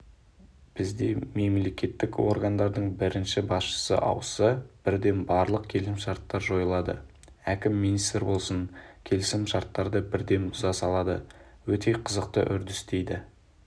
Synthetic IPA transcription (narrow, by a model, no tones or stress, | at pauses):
b̥ɪzd̪e̞me̞mle̞kʲe̞t̪ːɪkwo̞̰ɾɡɑnd̪ɑɾd̪əɴbɪɾɪnʃɪbɑsʃə̥sə̰ʔɑ̰wəsəb̥ɪɾd̪e̞nbɑɾlˠəq̚kʲʰe̞lsɪmʃɑɾt̪ːɑɾʒo̞jlˠɑd̪ə̰ | ækʲɪmːinist̪ɾbo̞lˠsəŋkʲʰe̞lɪsɪmʃɑɾt̪ːɑɾd̪əbɪɾd̪e̞nbʊzɑsɑlˠɑd̪ə̰ | wɵt̪ʰe̞qʰəzəq̚t̪ə̰ʔʏɾd̪ɪst̪e̞jd̪ɪ